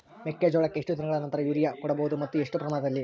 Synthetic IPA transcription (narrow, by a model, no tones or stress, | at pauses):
mekːeːd͡ʒɔːɭɐkːeeʂʈud̪inɐɡɐɭɐnɐnt̪ɐɾɐjuːɾijɐkuɽɐboːud̪umɐt̪ːueʂʈupɾɐmaːnɐd̪ɐlːi